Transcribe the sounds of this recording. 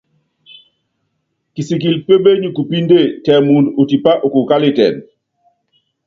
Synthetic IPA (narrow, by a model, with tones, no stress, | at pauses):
ki˨si˨ki˨lpe˦be˦ɲu˨ku˨pi˦nde˦˨tɛ˨mu˨ndu˨ti˨pa˦ʔu˨ku˨ka˦li˦˨tɛ̰˨n